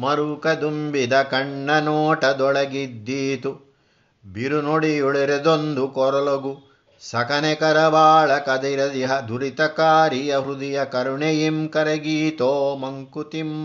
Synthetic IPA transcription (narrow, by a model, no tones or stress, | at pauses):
mɐɾukɐd̪umbid̪ɐkɐɳɖɐnɔːʈɐd̪ɔɭɐɡid̪ːiːt̪u | biɾunoɽijuɭiɾid̪ond̪ukɔɾɔloɡu | sɐkɐnɛkɐɾɐʋaːɭɐkɐd̪iɾɐd̪iɦɐd̪uɾit̪ɐkaːɾijɐɦɾud̪ijɐkɐɾuɳejimkɐɾɐɡiːt̪oːmɐŋkut̪im